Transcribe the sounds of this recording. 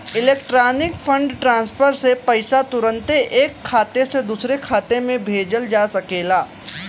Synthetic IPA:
ɪleːkʈɾaːnɪkfʰə̃ɳɖʈɾãːnspʰəɾsepɐɪsat̪ʊɾə̃nt̪eʔeːkʰːaːt̪esed̪uːsɾekʰaːt̪emẽbʱeːd͡ʒəld͡ʒaːsɐkeːlaː

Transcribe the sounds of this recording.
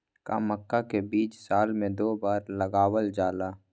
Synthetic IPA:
ka̰məkːakebiːt͡ʃsaːlmẽd̪oːbaːɾlɐɡaːwəld͡ʒaːlaː

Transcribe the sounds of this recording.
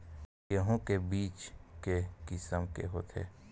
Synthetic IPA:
jəɦõkebiːt͡ʃkekɪsəmkḛɦot̪ʰḛː

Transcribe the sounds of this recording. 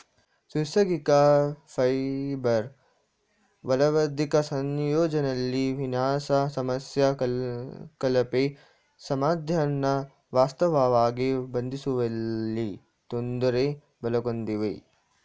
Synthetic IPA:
susɐɡikafɐjbɐɾ | ʋɐlɐʋɐd̪ʱikɐsɐnjoːd͡ʒɐnɐlːiʋinaːsɐsɐmɐsja | kɐlɐpe | sɐmaːd̪ʱjɐnːɐ | ʋaːst̪ɐʋaːʋaːɡibɐnd̪ʱisuʋɐlːi | t̪ond̪uɾe | bɐlɐɡond̪iʋḛ

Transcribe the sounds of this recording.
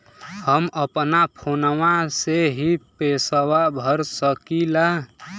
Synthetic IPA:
həməpnapʰonʋaseɦipesəwabʱəɾsəkila

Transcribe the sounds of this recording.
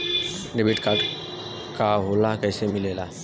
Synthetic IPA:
ɖebɪʈka | kaɦolakɛːsemɪlela

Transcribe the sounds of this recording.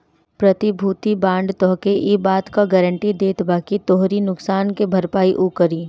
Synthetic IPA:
pɾɐt̪ibʱuːt̪ibãːɳɖt̪ɔɦkeʔibaːt̪kaɡɛːɾə̃ɳʈid̪eːt̪ʰbaːkit̪oːɦɾinʊksaːnkebʱɐɾpaːiʔuːkəɾiː

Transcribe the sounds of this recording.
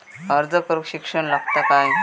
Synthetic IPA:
əɾd͡zəkəɾukɕikʂəɳ̃laɡt̪akaj

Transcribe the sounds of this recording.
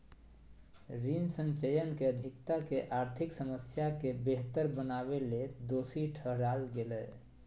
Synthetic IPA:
ɾinsə̃nt͡ʃəjənkeəd̪ʱɪk̚t̪akeʔaɾt̪ʰiksəməsjakebeɦt̪əɾbənaweled̪osiʈʰəɦɾalɡelɛː

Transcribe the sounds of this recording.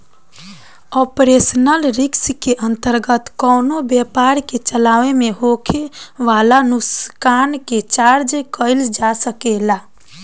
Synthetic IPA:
ɔpɾesənəlɾɪkskeʔə̃nt̪əɾɡət̪kɔːnobjɛpaɾket͡ʃəlaːʋemẽɦokʰeʋalanuskaːnket͡ʃaɾd͡ʒkəɪld͡ʒasəkela

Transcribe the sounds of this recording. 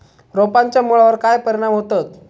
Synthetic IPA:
ɾopaɲt͡ɕjamuɭaʋəɾkajpəɾiɽ̃amɦot̪at̪

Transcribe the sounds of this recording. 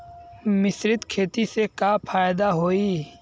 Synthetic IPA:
mɪsɾɪt̪kʰeːt̪isekapʰaːjd̪aɦoːiː

